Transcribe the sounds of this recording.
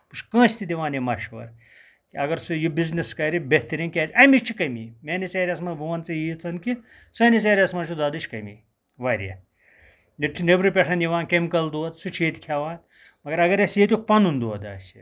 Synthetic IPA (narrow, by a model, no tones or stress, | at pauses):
puʃkɐ̃ːsʲt̪id̪ʲiʋaːnemɐʃʋɐ̰ɾ | kʲiɐɡɐɾsujibizneskɐɾibeht̪ɐɾʲiŋkʲaːt̪ʲɐmit͡ʃʰikɐmimʲeːnit͡seːɾʲɐsmɐbʱuʋɐnt͡sɨjit͡sʰɐnki | sɐːnit͡seːɾʲɐsmɐːt͡ʃʰud̪aːd̪ɨt͡ʃʰʲkɐmḭ | ʋɐɾʲjɐ̰ | niʈʰinebɾɨpʲɐʈʰɐnjiʋaːnkɐmʲkɐld̪oɐt̪sut͡ʃʰeːt̪ʲkʲʰaʋaːn | mɐɡɐɾɐɡɐɾɐsjit̪ʲuk̚pɐnund̪oɐd̪a̰ːsʲḭ